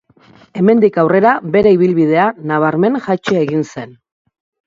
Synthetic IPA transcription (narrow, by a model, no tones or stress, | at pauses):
e̞me̞nd̪ikawre̞ɾaβe̞ɾe̞iβ̞ilβið̞e̞anaβ̞aɾme̞nʝat͡ʃoeɣinse̞n